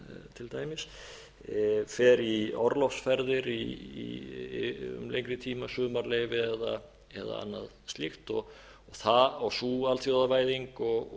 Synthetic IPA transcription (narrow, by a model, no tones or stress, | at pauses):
t̪ʰɪlt̪aːjmɪs | fɛːɾiɔɾlɔfsfɛɾðɪɾḭ | ʏ̰mlḛjŋkɾɪt̪ʰiːmasʏːmaɾleːjvɪɛða | ɛ̰ða̰a̰nːa̰ðst̪lɪxt̪ɔ | ɔɣθaawsuːalθjowðavaːjðiŋkɔɣ